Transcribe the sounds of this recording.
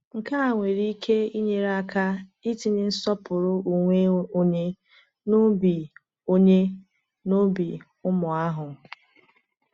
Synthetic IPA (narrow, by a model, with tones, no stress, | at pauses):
ŋ̩˨ka˦a˨ŋʷe˨ɾi˦kʰe˦i˦ɲe˨ɾa˦ka˦i˦ti˨nɪ˦n̩˦sɔ˦pʊ˨ɾʊ˦u˨ŋʷe˦o˦ɲe˦ | nʊ˦bi˨ | o˦ɲe˦ | no˦bi˨ | ʊ˦mʊ˨a˦ɦʊ˨